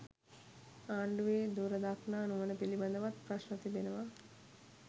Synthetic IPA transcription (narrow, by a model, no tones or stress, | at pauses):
aːɳɖuʋeːd̪uːɾɐd̪aːkʰnaːnuʋɐnəpilibɐnd̪ɐʋɐt̪pɾɐʃnɐt̪ib̪enɐʋa